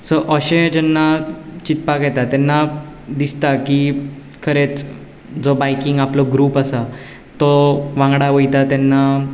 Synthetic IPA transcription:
səʔəɕẽd͡ʑɛnːat͡ɕit̪pakɛt̪at̪anːad̪ist̪aki | kʰəɾet͡s | d͡zɔbajkiŋɡaplɔɡɾuːpasa | t̪ɔʋãŋɡɽaʋəjt̪at̪anːa

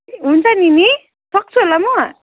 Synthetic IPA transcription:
unt͡sanini | sɔk̚t͡sʰulamɔ

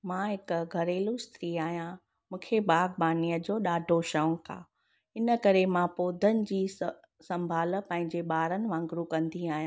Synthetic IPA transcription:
mãːɦɪkɡʱɐɾeːlust̪ɾiːaːɦijã | mũːkʰebaːɡ̚baːniːjəd͡ʑoːɗaːɖʱoʃə̃ŋkʰa̰ː | ɪnəkɐɾemãpoːd̪ʱənɪ̆d͡ʑiː | sɐ̃mbʱaːl̆pɐ̃ɦɪ̃ɲd͡ʑeɓaːɾənɪ̆ʋãːŋɡɾukɐ̃nd̪iaːɦijã

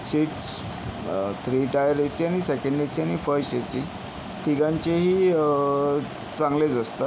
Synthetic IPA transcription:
siʈs | t̪ʰɾiːʈajəɾesiañisekə̃ɳɖesianifəɾesi | t̪iɡãɲt͡ɕeɦiː | t͡sãŋɡled͡zəst̪ə

